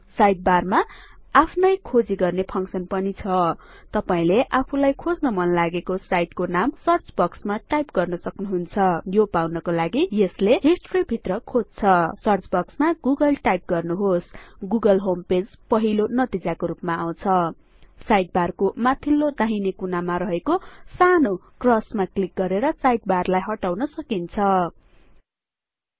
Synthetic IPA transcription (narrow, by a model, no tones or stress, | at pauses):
sajʈ̚barmaapʰnʌjkʰod͡ziɡʌrnepʰʌŋksʌnpʌnit͡sʰʌ | t̪ʌpaĩleʔapʰulajkʰod͡znʌmʌnlaɡekosajʈkonamsʌrt͡sbʌksmaʈajpɡʌrnʌsʌknuɦunt͡sʰʌjopawnʌkolaɡijesleɦisʈribʱit̪rʌkʰod͡zt͡sʰʌsʌrt͡sbʌksmaɡuɡʌlʈajp̚ɡʌrnuɦosɡuɡʌlɦomped͡zpʌɦilonʌt̪id͡zakoɾupmaaw̃t͡sʰʌ | sajʈ̚barkomat̪ʰilːod̪aɦinikunamaɾʌɦekosanokrʌsmaklik̚ɡʌɾeɾʌsajʈ̚barlajɦʌʈawnʌsʌkint͡sʰʌ